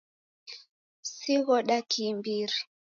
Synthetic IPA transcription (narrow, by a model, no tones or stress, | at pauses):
siɣɔɗakʰimbiɾi